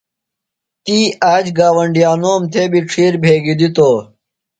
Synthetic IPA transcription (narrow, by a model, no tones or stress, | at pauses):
t̪iːaːd͡ʑɡaːwɐɳɖjaːnoːmt̪ʰeːbiʈ͡ʂʰiːɾbʱeːɡid̪it̪oː